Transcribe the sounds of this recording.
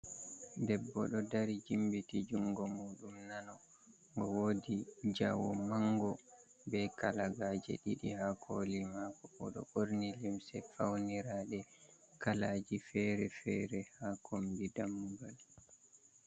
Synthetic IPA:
dɛbːɔ̰ɗɔdaɾid͡ʒimbitid͡ʒuŋɡɔmuːɗumnanɔ | ŋɡɔwodid͡ʒawɔmaŋɡɔ | bɛkalaɡaːd͡ʒɛ̰ɗiɗihakʰolimakɔɔ̰ɗɔ̰ʔoɾnilimsɛfawniɾaːɗɛ | kalaːd͡ʒifɛɾɛfɛɾɛhakʰombidamːubal

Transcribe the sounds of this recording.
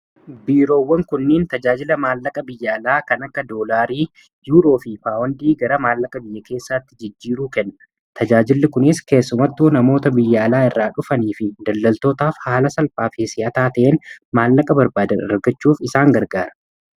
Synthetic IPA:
biːɾo̞ːwːɐŋkʊnːeːnt̪ɐd͡ʒaːd͡ʒɪlɐmaːlːɐkʼɐbɪjːaːlaːkɐnɐkːɐd̪o̞ːlaːɾiː | juːɾo̞ːfɪfaːwɐnd̪iːɡɐɾɐmaːlːɐkʼɐbɪjːɐke̞ːsːaːt̪ːɪd͡ʒɪd͡ʒːiːɾuːkɛnːɐ̥ | t̪ʰɐd͡ʒaːd͡ʒɪlːɪkʊnɪske̞ːsːʊmɐt̪ːuːnɐmo̞ːt̪ɐbɪjːaːlaːɪrːaːᶑʊfɐniːfɪd̪ɐlːɐlt̪o̞ːt̪aːfhaːlɐsɐlpʼaːfɪsɪɐt̪aːt̪ɐʔeːnmaːlːɐkʼɐbɐɾbaːd̪ɐnɐ̰ɾɡɐt͡ʃːuːfɪsaːŋɡɐɾɡaːɾɐ̥

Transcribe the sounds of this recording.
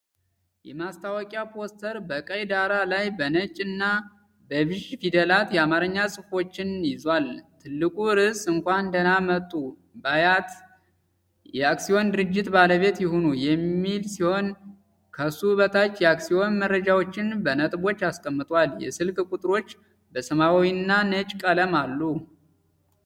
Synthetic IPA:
jɛmast̪ʰawɔkʼjapʰo̞st̪ʰəɾbəkʼəjd̪aɾalajbənət͡ʃʼɨnːa | bəβɨʒfid̪əlat̪jɛamaɾəɲːasʼɨfo̞t͡ʃːɪnjɪzwalt̪ʰɨlːɨkʼuɾɨsɨŋkʷaɨnd̪ənamət̪ʼːu | bajat̪ | jɛaksijo̞nd̪ɨɾɨd͡ʒːɪt̪baləβe̞t̪jɪhonujɛmːilsiho̞n | kʰəsuβət̪ʰat͡ʃːjɛaksio̞nmərːəd͡ʒawo̞t͡ʃːɪnbənət̪ʼbo̞t͡ʃːaskʼəmːɨt̪ʼaljɛ̰sɨlkʼkʼut̪ʼɨɾo̞t͡ʃː | bəsəmawwiɨnːanət͡ʃʼkʼələmalːu

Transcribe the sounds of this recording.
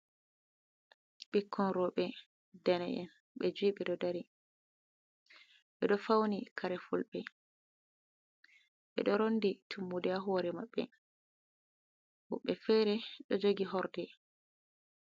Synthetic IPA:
ɓikʰːɔnɾɔɓɛ | dɛnɛ̰ʔɛ̰n | ɓɛd͡ʒuiːɓɛɗɔdaɾi | ɓɛɗɔfawnikʰaɾɛfulɓɛ | ɓɛ̰ɗɔɾonditʰumːudɛaɦɔɾɛmaɓːɛ̰ | wuɓːɛfɛɾɛɗɔd͡ʒoɡiɦɔɾdɛ

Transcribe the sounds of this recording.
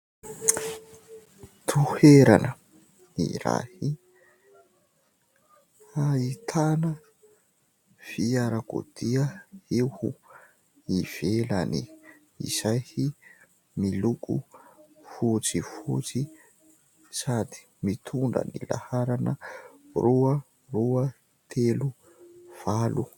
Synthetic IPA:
t̪ʰuheɾanə | nḭɾa̰hi | ait̪ʰanə | fiaɾako̰d̪̥iəehu | iv̥elani | ḭzajhi | milukʼṵ | fut͡sifut͡si | sad̪i̥ | mit̪ʰuɳɖ͡ʐə̰nila̰haɾanəruə | ruə | t̪ʰelu | v̥alu

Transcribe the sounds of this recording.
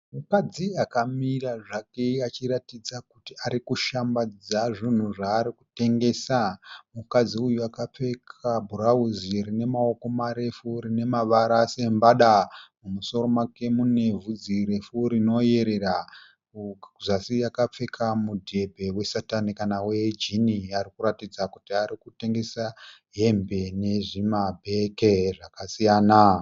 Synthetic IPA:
mukad͡ziakamiraʐakeat͡ʃiɾatid͡zakutiaɾikuʃambad͡zaʐin̤uʐaːɾiku̥te̞ŋɡe̞samukad͡ziujuakap͡fe̞kʰabʱuɾauziɾine̞mao̞ko̞maɾe̞fuɾine̞maʋaɾase̞mbaɗamumuso̞ɾo̞make̞mune̞vud͡ziɾe̞fuɾino̞je̞ɾe̞ra | ʐasijakap͡fe̞kʰamudʱebʱe̞we̞satanikanawe̞d͡ʒiniaɾikuɾatid͡zakutiaɾikute̞ŋɡe̞sa | ɦe̞mbe̞ne̞ʐimabʱe̞keʐakasijaːna

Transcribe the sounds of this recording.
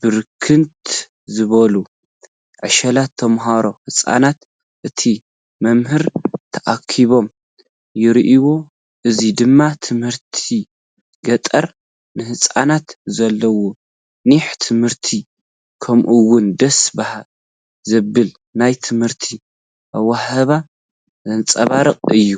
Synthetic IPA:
b̥ɨɾkʰɨnt̪ | zɨβɐlu | ʕɨʃɐlat̪ʰːɐmɦaɾo̞hɨsʼa̰nat̪ | ʔɨt̪ʰi | mɐmhɨɾt̪ʰɐʔakʰiβo̞m | jɪɾiʔiwo̞ | ʔɨzid̪ɨmːat̪ʰɨmhɨɾt̪ʰi | ɡɐt̪ʼɐɾ | nɨhɨt͡sʼa̰nat̪zɐlːɐwo | niħt̪ʰɨmhɨɾt̪ʰi | kʰɐmʔuwʊnd̪ɐsbahal | zɐbːɨl | najt̪ʰɨmhɨɾt̪ʰi | ʔawahɐβa | nt͡sʼɐβaɾɨqʼɨjːu

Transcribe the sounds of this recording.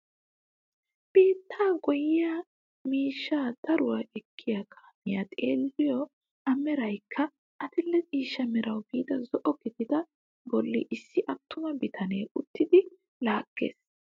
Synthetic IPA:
b̥iːt̪ʰːaːɡɔjɪja | miːʃːaːd̪̥ɐɾʊwaʔɛkʰːɪjɐkʰɐ̥mɪjɐt̪ʼeːlːɪjɔ | ɐmɛɾɐjkʰːɐ | ʔɐt̪ɪlːɛt͡sʼiːʃːɐmɛɾɐwbiːd̪ɐzɔʔɔɡɪd̪ɪd̪ɐ | bɔlːɪ̰ʔɪsːɪʔɐt̪ːʊmɐbɪt̪ʰɐneːʊt̪ːɪd̪ɪ | laːkʼːḛːs

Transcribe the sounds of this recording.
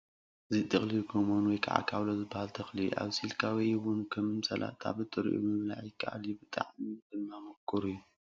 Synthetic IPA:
zit̪ʼɨxlijukʰomonwɔjkʰa̰ʕa̰kʰa̰βlozɨbːahalt̪ʰɐxlijuʔa̰βsilkʰawijwʊnkʰɐmmsɐlʔa̰t̪ʰa̰βɨt̪ʼːɨɾ̰ʔṵbɨmɨβla̰ʕjɪkʰːa̰ʔa̰lubɨt̪ʼa̰ʕmitɨlmamɐkʰːɨɾujːu

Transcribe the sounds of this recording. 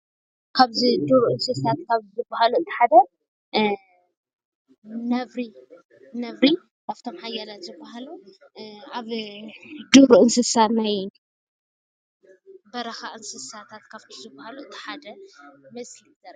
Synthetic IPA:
kʰaβzid̪uɾuʔɨnsɨsat̪̚kʰaβzɨbːahaluɨt̪ʰi̥ħad̪ɐ | nɐvɾi | nɐvɾi | kaβt̪ʰo̞mħajːalat̪zɨbːaɦalu | aβ | d̪uɾuɨnsɨsat̪naj | bɐɾɐxaʔɨnsɨsat̪ʰat̪kʰaβt̪ʰizɨbːahaluɨt̪ʰi̥ħad̪ɐmɐslizɐɾ

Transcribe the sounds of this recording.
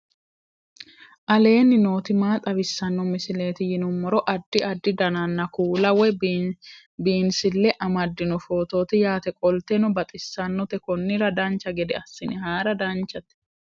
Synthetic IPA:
ʔɐle̞ːnːɪnoːt̪ɪmaːt̪ʼɐbɪsːɐnːɔmɪsɪle̞ːt̪ɪjɪnʊmːɔɾɔʔɐd̪ːɪʔɐd̪ːɪd̪ɐnɐnːɐkuːlɐwɛ | biːnsɪlːɛʔɐmɐd̪ːɪnɔfo̞ːt̪o̞ːt̪ɪjaːt̪ɛkʼɔlt̪ɛnɔbɐt̪ʼɪsːɐnːɔt̪ɛkɔnːɪɾɐd̪ɐnt͡ʃːɐɡɛd̪ɛɐsːɪnɪɦaːɾɐd̪ɐnt͡ʃːɐt̪ɛ̥

